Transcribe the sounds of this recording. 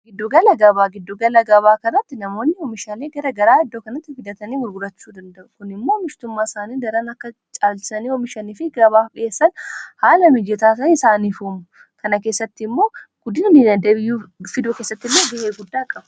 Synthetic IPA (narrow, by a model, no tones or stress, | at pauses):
ɡɪd̪ːʊɡɐlɐɡɐbaːɡɪd̪ːʊɡɐlɐɡɐβaːkɐrːɐt̪ːɪnɐmo̞ːnːɪɔmɪʃaːleːɡɐɾɐɡɐɾaːɐd̪ːoːkɐnɐt̪ːɪfɪd̪ɐt̪ɐniːwʊɾɡʊɾɐt͡ʃːuːd̪ɐnd̪ɐʔʊkʊnɪmːoːmɪʃt̪ʊmːaːɪsaːniːd̪ɐɾɐnɐkːɐ | t͡ʃʼaːlt͡ʃɪ̥sɐniːɔmɪʃɐniːfɪɡɐβaːfᶑɪeːsːɐnhaːlɐmɪd͡ʒɛt̪aːs̬ɐɪsaːniːfuːmʊ | kɐnɐke̞ːsːɐt̪ːɪɪmːo̞ːɡ̥ʊd̪ɪnnɪnɐd̪eːbɪjːuːfɪd̪oːkeːsːɐt̪ːɪlːeɡɛheːɡʊd̪ːaːkʼɐbɐ